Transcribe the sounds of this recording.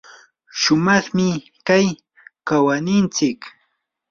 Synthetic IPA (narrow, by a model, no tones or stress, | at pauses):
ʃʊmɑχmɪ | kaj | kawanɪnt͡sɪk